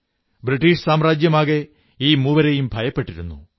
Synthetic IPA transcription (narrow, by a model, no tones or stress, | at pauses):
bɾiʈːiːʂsaːmraːd͡ʑjɐmaːɣe | iːmuːʋɐɾejumbʱɐjɐpːe̞ʈːiɾunːṵ